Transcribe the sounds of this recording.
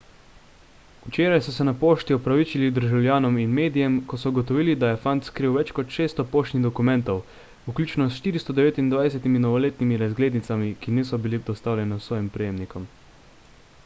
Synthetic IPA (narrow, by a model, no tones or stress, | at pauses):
ut͡ʃeːɾajsɔsɛnapoːʃt̪iɔpɾaʋit͡ʃilid̪əɾʒawlʲjaːnɔminmeːd̪ijɛmkɔsɔuɡɔt̪ɔʋiːlid̪ajɛfant̪skɾiwʋɛt͡ʃkɔt̪ʃeːst̪ɔpoːʃt̪niɣd̪ɔkumɛ̃nt̪ɔw | uklʲuːt͡ʃnɔsʃt̪iːɾist̪ɔd̪ɛʋeːt̪ind̪ʋajɛsɛt̪iminɔʋɔleːt̪nimiɾazɡleːd̪nit̪samikiniːsɔbilid̪ɔst̪aːwlʲjɛnɛsʋɔːjimpɾɛjeːmnikɔm